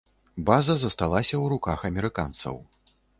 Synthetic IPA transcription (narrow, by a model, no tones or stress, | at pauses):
bazɐzɐst̪alˠasʲɐwɾukaxɐmʲɛɾɨka̰nt̪sɐ̰w